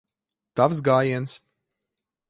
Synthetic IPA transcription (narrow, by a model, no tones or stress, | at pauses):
t̪avs̬ɡaːjiɛns